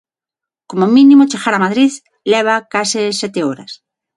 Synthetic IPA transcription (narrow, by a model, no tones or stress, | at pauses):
komomĩnĩmot͡ʃeɣaɾamaðɾið | lɛβ̞akasɪsɛt̪eoɾa̰s